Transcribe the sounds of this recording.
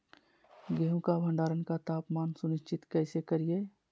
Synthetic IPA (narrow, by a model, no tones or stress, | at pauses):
ɡeːɦũkabʱə̃ɳɖaːɾənkat̪aːpmaːnsʊnɪʃt͡ʃɪt̪kɛːɪsekəɾie